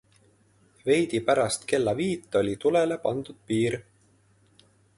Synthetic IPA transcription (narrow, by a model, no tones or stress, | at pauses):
ve̞jd̪̥ipæɾɑst̪ke̞lːɑviːt̪ˑːo̞lʲit̪ule̞le̞pɑnd̪̥ud̪̥̚piːɾ